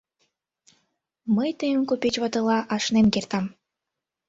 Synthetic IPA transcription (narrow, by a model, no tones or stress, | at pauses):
məjt̪əjə̆nkopet͡ɕβɑt̪ɤ̆lˠɑʔɑʃnemkert̪ɑm